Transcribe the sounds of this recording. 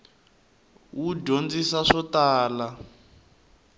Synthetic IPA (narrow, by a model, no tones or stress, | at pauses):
wuɟond͡zisaʂɔtaːla